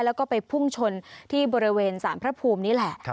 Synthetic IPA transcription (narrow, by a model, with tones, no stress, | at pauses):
lɛː˦˥wkɔː˥˩pa˧jpʰu˥˩ŋt͡ɕʰo˧nt̪ʰiː˥˩bɔː˧ɾi˦˥weː˧nsaː˩˦npʰɾa˦˥pʰuː˧mniː˦˥lɛ˨˩ʔ